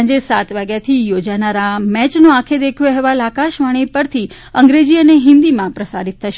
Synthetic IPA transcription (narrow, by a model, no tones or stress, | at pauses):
d͡ʒesat̪ʋaɡjat̪ʰijod͡ʒanaɾamɛt͡ʃnoakʰed̪ekʰjoɦɛʋalakaʃʋaɽ̃epəɾt̪ʰi | əŋɡɾed͡ʒiəneɦɪ̃nd̪imãpɾəsa̰ɾit̪̚ʰtʰəʃ